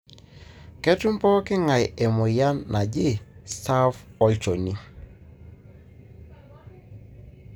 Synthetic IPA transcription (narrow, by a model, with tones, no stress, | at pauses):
kɛ˦tʊ˦mpɔ˦kɪ˦ŋa˨jɛ˨mʊ˨ja˦nːa˨d͡ʒɪ˦stʰa˦fɔ˦t͡ʃo˨ni˦